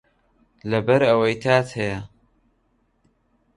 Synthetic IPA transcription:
lɐbɐɾɐwɐjt̪ʰaːt̪hɐjɐ

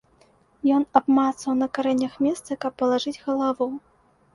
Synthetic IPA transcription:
jɔnabmat̪sɐwnɐkaɾɛnʲːɐxmʲɛst̪sɐkɐpːɐlˠaʐɨd͡zʲɣɐlˠavu

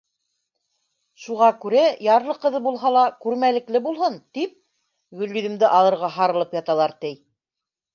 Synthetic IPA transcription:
ʃuʁɑkʉɾæjɑɾlˠɤqɤ̆ðɤbulˠɦɑlˠɑkʉɾmælɘ̆klɘbulˠɦɤnt̪ip̚ | ɡɵ̆lːyðɘ̆md̪ɘʔɑlˠɤ̆ɾʁɑɦɑɾɤ̆lˠɤpjɑt̪ɑlˠɑɾt̪ɘj

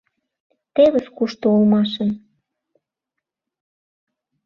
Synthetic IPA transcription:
t̪eβə̆skuʃt̪oulmɑʃə̆n

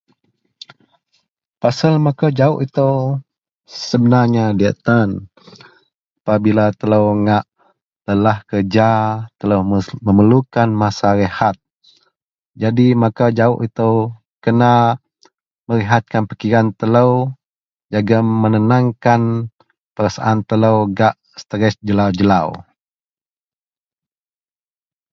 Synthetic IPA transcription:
pasəlmakad͡ʒaʊʔit̪əw | səbənaɲadiat̪an | apabilat̪ələwŋaʔ | ləlahkərd͡ʒat̪ələwməməlukanmasaɾəhat̪̚ | d͡ʒadimakad͡ʒaʊʔit̪əw | kəna | mələɦat̪̚kanpəkiɾant̪ələw | d͡ʒaɡamənənaŋkan | pəɾasaʔant̪ələwɡaʔ | sə̥t̪əɾɛsd͡ʒəlawd͡ʒəlaw

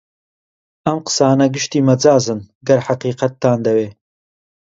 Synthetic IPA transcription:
ɐmqə̥saːnɐɡɨʃt̪iːmɐd͡zaːzɨn | ɡɐɾħaqiːqɐt̪ʰːaːnd̪ɐweː

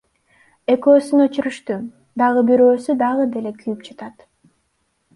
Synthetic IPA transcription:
e̞kø̞ːsynøt͡ʃyɾyʃt̪y | d̪ɑʁɯbyɾø̞ːsyd̪ɑʁɯd̪e̞le̞kʰyjypd͡ʒɑt̪ɑt̪

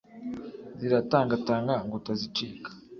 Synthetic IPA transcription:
ziɾataːŋɡataːŋɡaŋɡotazit͡ʃiːkḁ

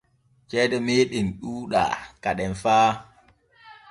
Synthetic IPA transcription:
t͡ʃɛɗɛmeːɗinɗuːɗa̰kaɗɛnfaː

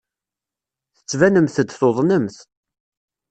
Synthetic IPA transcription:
θə̥t͡sːvænəmθəd̪θoðˤnəmθ

